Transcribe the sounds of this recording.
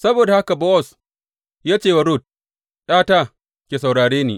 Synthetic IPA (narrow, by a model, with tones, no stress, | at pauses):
sɐ˦boː˨da˨ha˦ka˨bɔ˦ʔɔ˨s | jaː˦t͡ʃeː˦˨wa˨ɾʊ˦˨t̚ | ɗaː˦taː˦˨ | kʲeː˨sa˨wɽaː˨ɽeː˦nḭː˦˨